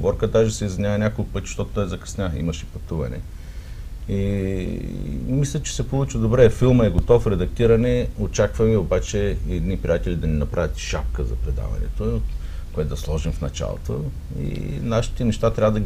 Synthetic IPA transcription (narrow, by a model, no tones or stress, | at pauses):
bɔɾkəd̪aʒɛsɛizvʲinʲavɐnʲakolˠkʊpɤt̪ʲi̥ʃt̪ɔt̪o̥t̪ɔjzɐkɐ̥snʲaḭmɐʃɛpɐt̪uvɐ̰nɛ̰ | i | mislʲət͡ʃɛ̥sɛpolˠut͡ʃid̪obɾɛfilˠməɛɡot̪ɔfɾɛd̪ɐk̚t̪iɾɐnɛot͡ʃakvɐmɛobat͡ʃɛɛd̪nipɾʲijat̪ɛlʲid̪ɐninɐpɾʔavʲət̪ʃap̚kəzɐ̰pɾɛd̪a̰vɐ̰nɛ̰t̪o | koɛt̪od̪ɐslˠɔʒimfnɐt͡ʃa̰lˠo̰t̪o | ḭnaʃi̥t̪ɛnɛʃt̪at̪ɾʲavəd̪ɐɡ